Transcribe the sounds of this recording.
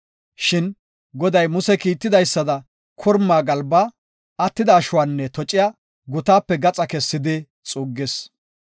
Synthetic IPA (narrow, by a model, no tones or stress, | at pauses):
ʃɪn | ɡɔd̪ɐjmʊsɛkiːt̪ːɪd̪ɐjsːɐd̪ɐ | kʰɔɾmːaːɡɐlbaː | ɐt̪ːɪd̪ɐːʃʊwaːnːɛt̪ɔt͡ʃʼːɪjaː | ɡʊt̪aːpːɛɡɐt͡sʼɐkɛsːɪd̪ɪ | t͡sʼuːɡːɪs